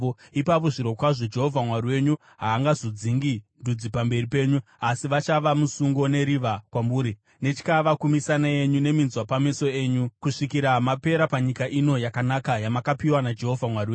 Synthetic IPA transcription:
ipap̬o̞ʐiɾo̞kwaʐo̞d͡ʒe̞ɦo̞vʱamwaɾiwe̞ɲu | ɦaːŋɡazod͡ziŋɡindud͡zipambe̞ripe̞ːɲu | asiʋat͡ʃaʋamusuŋɡo̞ne̞ɾiʋakwamuːɾi | ne̞t͡ʃi̥kaʋakumisanaje̞ɲune̞minzwapameso̞e̞ːɲukuʂikiɾamape̞ɾapaɲikaʔino̞jakanakajamakapiwanad͡ʒe̞ɦo̞vʱamwariwe

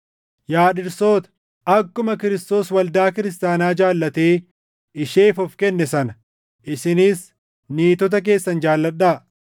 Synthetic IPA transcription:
jaːᶑɪɾso̞ːt̪ɐ̥ | ɐkːʊmɐkɪɾɪst̪o̞ːswɐld̪aːkɪɾɪst̪aːnaːd͡ʒaːlːɐt̪eː | ɪʃeːfɔfkɛnːɛsɐnɐ | ʔɪsɪniːs | niːt̪ɔt̪̬ɐk̬e̞ːsːɐnd͡ʒaːlːɐᶑaː

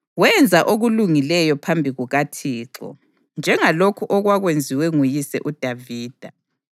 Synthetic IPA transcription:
wɛnd͡zʱaʔoɣuluŋilɛjɔpʰambʱiɣuɣatʰiːǁɔ̰ | nd͡ʒʱɛŋalokʰuʔɔɣwaɣwend͡zʱiwɛŋujisɛ̰ʔud̥ʱaviːd̥ʱa

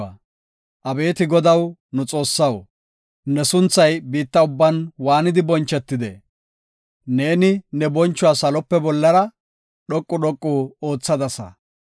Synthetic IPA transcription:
ɐ̰ | ʔɐbe̞ːt̪ɪɡɔd̪ɐwnʊt͡sʼo̞ːsːɐw | nɛsʊnt͡sːɐjbiːt̪ːɐʊbːɐnwaːnɪd̪ɪbɔnt͡ʃːɛt̪ːɪd̪ɛ̰ | ne̞ːnɪnɛbɔnt͡ʃːʊwasɐlɔpːɛbɔlːɐɾɐ | ɗɔkʼːʊɗɔkʼːuːo̞ːt͡sːɐd̪ɐsɐ̰

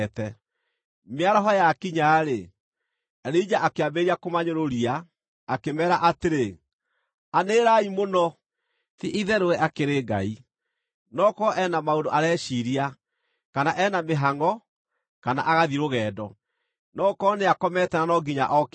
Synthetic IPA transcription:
tɛ | meaɾɔɦɔjakiɲaːɾe | ɾed͡ʒaʔakeabeɾiakomaɲoɾoɾiaː | kemɛːɾaʔateɾe | aneːɾaimonɔ | tiʔiðɛɾowɛʔakeɾeːɡa̰i | nɔkɔʔɛnamaodoʔaɾɛːʃiɾia | kanaʔɛnameɦaŋɔ | kana̰ʔaɣaðiɾoɣɛːdɔ | nɔkɔːneakɔmɛtɛnanɔɡiɲa̰ʔɔk

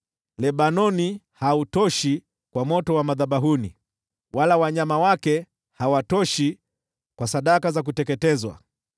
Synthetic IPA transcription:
lɛɓanɔnihautɔʃi | kwamɔtɔwamaðaɓaɦunḭ | walawaɲamawakɛ | hawatɔʃi | kwasaɗakazak̬utɛkɛtɛzwa̰

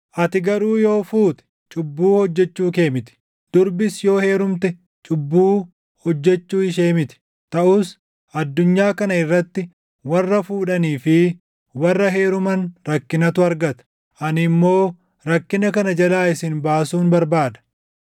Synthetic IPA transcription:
ʔɐt̪ɪɡɐɾuːjo̞ːfuːt̪ɛ̥ | t͡ʃʼʊbːuːhɔd͡ʒːɛt͡ʃːuːke̞ːmɪt̪ɪ̥ | d̪̥ʊɾbɪsjo̞ːhe̞ːɾʊmt̪ɛ | t͡ʃʼʊbːuː | hɔd͡ʒːɛt͡ʃːuːɪʃe̞ːmɪt̪ɪ̥ | t̪ɐʔuːs | ʔɐd̪ːʊɲːaːkɐnɐɪrːɐt̪ːɪ | wɐrːɐfuːᶑɐniːfɪ | wɐrːɐɦe̞ːɾʊmɐnɾɐkːɪnɐt̪ʊɐɾɡɐt̪ɐ̥ | ʔɐnɪmːo̞ː | ɾɐkːɪnɐkɐnɐd͡ʒɐlaːɪsɪnbaːsuːnbɐɾbaːd̪ɐ̥

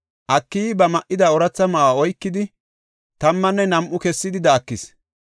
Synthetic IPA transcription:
ʔɐkːibɐmɐʔɪd̪ɐɔɾɐt͡sːɐmɐaɔjkːɪd̪ɪ | t̪ɐmːɐnːɛnɐmʔʊkɛsːɪd̪ɪd̪ɐːkːɪs

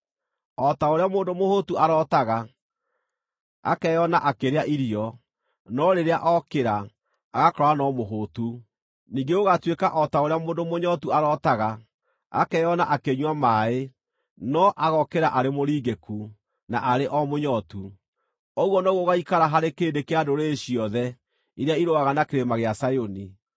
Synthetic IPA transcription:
ɔtaoɾeamoːndomohotuaɾɔtaɣa | a̰kɛjɔnaʔakeɾeaʔiɾiɔ | nɔɾeɾeaʔɔkeɾaː | ɣakɾɔanɔmoɦotu | niːŋɡeoɣatwekaʔɔtaoɾeamoːndomoɲɔtuaɾɔtaɣa | a̰kɛjɔnaʔakeɲwamae | nɔʔaɣɔkeɾaʔaɾemoɾiːɡeku | naʔaɾeʔɔmoɲɔtu | ɔɣwɔnɔɣoɣaikaɾaɦaɾekeːndekeadoɾeːɕiɔðɛ | iɾeaiɾoaɣanakeɾemaɣeasajoni

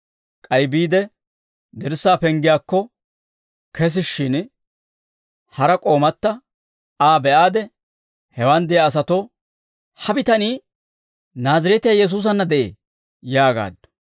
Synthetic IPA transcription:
kʼɐjbiːd̪ɛ | d̪ɛɾsːaːpɛŋɡɪjaːkːɔ | kʰɛs̬ɪʃːɪn | hɐɾɐkʼo̞ːmɐt̪ːɐ | aːbɛʔaːd̪ɛ | hɛwɐnd̪ɛjaːs̬ɐt̪o | hɐbɪt̪ɐniː | naːzɪɾɛt̪ɪjajɛs̬uːs̬ɐnːɐd̪ɛʔḛː | jaːɡa̰ːd̪ːɐ̥

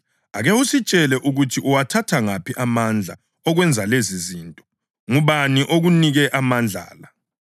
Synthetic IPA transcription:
a̰ɣewusit͡ʃʼɛlɛʔuɣutʰiʔuwatʰatʰaŋapʰiʔamand͡ɮʱa | ɔɣwɛnd͡zʱaleziziːntʼɔ̥ | ŋuβaniʔoɣuniɣɛʔamand͡ɮʱa̰ːla

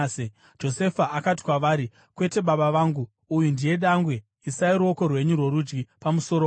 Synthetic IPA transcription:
d͡ʒo̞se̞faʔakati̥kwaʋaːɾi | kwe̞te̞ɓaɓaʋaːŋɡuː | jundije̞ɗaŋɡwe̞ | isaiɾuo̞ko̞rwe̞ɲurwo̞ɾud͡ʒɡipamuso̞ɾo

